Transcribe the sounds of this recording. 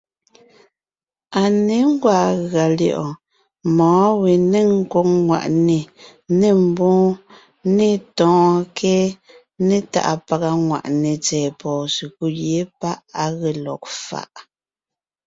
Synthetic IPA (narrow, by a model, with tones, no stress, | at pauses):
a˨ne˨˦ŋ̩˦ɡwaː˦˨ɣa˨ljɔ̰˨ʔɔ˨ | mɔ̃ː˨˦we˨ne˦ŋ̩˦ko˦k̚ŋwa̰˨ʔne˨ | ne˦˨m̩˦bɔ̃ː˦ | ne˦˨tɔ̃ː˨kʰɛ˦ | ne˦ta̰˦˨ʔa̰˨pa˨ɣa˦ŋwa̰˨ʔne˨t͡sɛː˨pɔː˨si˨ku˦jje˨˦pa˦ʔa˦ɣe˦˨lɔ̰˨k̚fa̰˦˨ʔ